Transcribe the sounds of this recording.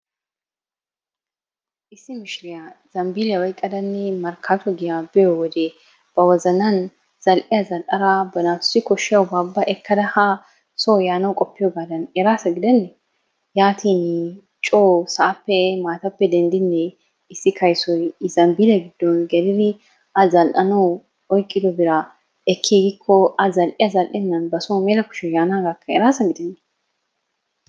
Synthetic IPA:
ʔɪsːɪmɪʃɪɾɪjaz̥ɐmbiːlɐwɐjkʼːɐd̪ɐnːɪmɐɾkʰat̪ɔɡɪjabɪjowɔd̪eː | b̥ɐwɐzɐnɐn | z̥ɐlʔɪjɐzɐlʔɐɾaːbɐnaːt̪ʊ̥sɪkɔʃːɪjɐwʊbaːbːɐʔɛkʰːɐd̪ɐha | soːjaːnɐwkʼɔpːɪjoːɡaːd̪ɐnjɛɾaːsɐɡɪd̪ɐnːɛ | jaːt̪ʰiːn | t͡ʃʼoːsɐʔɐpːɛmaːt̪ɐpːɛd̪ɛnd̪ɪnːɛ | ɪsːɪkʰɐjsɔjɪzɐnbɪlɛɡɪd̪ːɔnɡɛd̪ɪd̪ɪ | ʔɐzɐlʔɐnɐw | ɔjkʼːɪd̪ɔbɪɾɐ | ɛkʰːiːɡɪkʰːɔɐzɐlʔɪjɐzɐlʔɛnːɐnbɐsoːmeːlɐkʊ̥ʃɛjaːnaːɡakʰːɐɛɾaːsɐɡɪd̪ɛnːɛ

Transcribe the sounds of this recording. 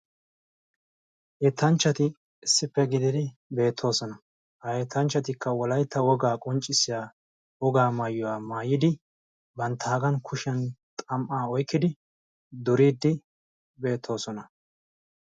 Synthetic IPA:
ʔet̪ːɐnt͡ʃːɐt̪ɪ | ɪsːɪpːɛɡɪd̪ɪd̪ɪbe̞ːt̪ʰːo̞ːsɔnɐ | ɐet̪ʰːɐnt͡ʃːɐt̪ɪkːɐwɔlɐjt̪ːɐwɔɡaːkʼɔnt͡ʃʼːɪsːɪjaː | wɔɡaːmaːjːʊwaːmaːjɪd̪ɪ | bɐnt̪ʰːaːɡɐnkʰʊʃɛnt̪ʼɐmʔaːɔjkːɪd̪ɪ | d̪ʊɾiːd̪ːɪ | be̞ːt̪ʰːo̞ːsɔnɐ

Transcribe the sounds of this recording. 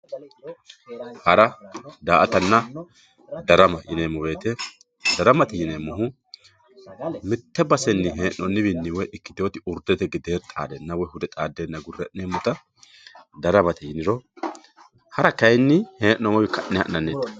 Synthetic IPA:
hɐɾɐd̪aːʔɐt̪ɐnːɐ | d̪ɐɾɐmɐʔɪ̰nemɔwe̞ːt̪ɛ | d̪̥ɐɾɐmɐt̪ɛjɪnemːɔɦʊ | mɪt̪ːɛbɐsɛnːɪɦeːnɔnːɪbɪnːɪwɔʔɪkːɪ̥d̪o̞ːt̪ɪʊɾd̪ɛt̪ɛɡɪd̪eːɾt̪ʼa̰ːd̪ɛnːɐwɔhʊd̪ɛt̪ʼaːd̪ːeːnːɐɡʊrːɛʔneːmːɔt̪ɐ | d̪ɐɾɐmɐt̪ɛjɪnɪɾɔ | hɐɾɐkɐjnːɪheːʔnɔmɔwɪkɐʔnːɛhɐ̰ʔnɐnːeːt̪ːɐ̥

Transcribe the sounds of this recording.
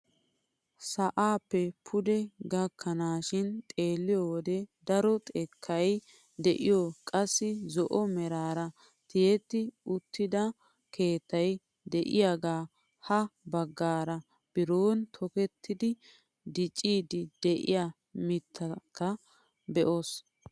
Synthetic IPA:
sɐʔaːpːɛpʰʊd̪ɛɡɐkʰːɐnaːʃɪnt̪ʼe̞ːlːɪjɔwɔd̪ɛd̪ɐɾɔt̪ʼekʰːɐj | d̪ɛʔɪjɔkʼɐsːɪzɔʔɔmɛɾaːɾɐ | t̪ɪjɛt̪ːɪʊt̪ːɪd̪ɐ | ke̞ːt̪ːɐj | d̪ɛʔɪjaɡaː | hɐbɐɡːaːɾɐ | b̥ɪɾoːnt̪ʰɔkɛt̪ʰːɪd̪ɪ | d̪ɪt͡ʃʼːiːd̪ɪd̪̥ɛʔɪ̰ja | mɪt̪ʰːɐkːɐ | bɛʔo̞ːs

